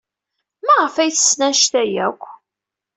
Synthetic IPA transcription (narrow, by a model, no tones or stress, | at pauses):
mæʁəfæjθə̥sːnæʃt̪æjækʷː